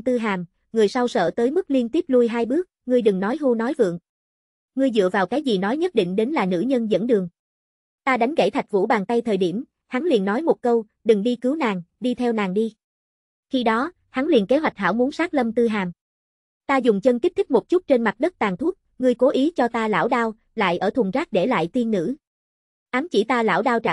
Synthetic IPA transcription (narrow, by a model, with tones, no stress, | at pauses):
t̪ɨ˧ɦaː˨˩m | ŋɨ˨˩əjsa˧wsə̰ː˧˨t̪əː˨˦jmɨ˦˥k̚li˧ənt̪i˦˥əp̚lu˧jɦaː˧jɓɨ˦˥ək̚ŋɨ˧əjɗɨ˨˩ŋnɔ˨˦jɦu˧nɔ˨˦jvɨ̰˧˨əŋ | ŋɨ˧əjzɨ̰˧˨əvaː˨˩wkaː˨˦jzi˨˩nɔ˨˦jɲə˦˥t̚ɗḭ˧˨ŋ̟ɗe˨˦nlaː˨˩nɨ̰˧˥ɲə˧nzə̰˧˥nɗɨ˨˩əŋ | t̪aː˧ɗa˨˦jŋ̟ɣḛ˧˩t̪ʰa˨˩k̟̚vṵ˧˥ɓaː˨˩nt̪a˧jt̪ʰəː˨˩jɗi˧˩əm | ha˨˦ŋlḭ˧˨ənːɔ˨˦jmo˨˩t̚kə˧w | ɗɨ˨˩ŋɗi˧kɨ˨˦wnaː˨˩ŋɗi˧t̪ʰɛ˧wnaː˨˩ŋɗi˧ | xi˧ɗɔ˨˦ | ha˨˦ŋlḭ˨˩ənke˨˦ɦwa˨˩jk̚ɦaː˧˩wmu˨˦nsaː˦˥k̚lə˧mt̪ɨ˧ɦaː˨˩m | t̪aː˧zʊ˨˩ŋ͡mt͡ɕə˧nk̪i˦˥t̪ʰi˦˥k̚mo˨˩t̚t͡ɕu˦˥t̚t͡ɕe˧nma˨˩t̚ɗə˦˥t̚t̪aː˨˩ŋt̪ʰu˦˥ət̚ | ŋɨ˧əjko˨˦ʔi˨˦t͡ɕɔ˧t̪aː˧la̰ː˧˥˩wɗaː˧w | la̰ː˧˨jʔəː˧˩t̪ʰwə˨˩ŋzaː˦˥k̚ɗe˧˩la̰ː˧˨jt̪i˧ənːɨ̰˧˥ | ʔaː˨˦mt͡ɕi˧˩t̪aː˧la̰ː˧˩wɗaː˧wt͡ɕa˧˨